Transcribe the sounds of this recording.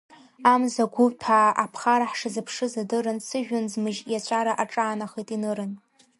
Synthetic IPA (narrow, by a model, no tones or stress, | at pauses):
amzaɡʷʊtʰaːʔapʰχaɾaħʂɨzɨpʰʂɨzadɨɾɨnsɨʒᶣʊnzmɨʒjat͡ɕʷʰʼaɾaʔaʈ͡ʂʼaːnaχejtʼinɨɾɨn